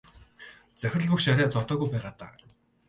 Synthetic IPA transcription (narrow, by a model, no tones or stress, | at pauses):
t͡sœxʲrɘ̆ɮpɵ̆kʃaɾʲaːt͡sɔt̪ɔːɣujpæːʁaːt̪a̰ː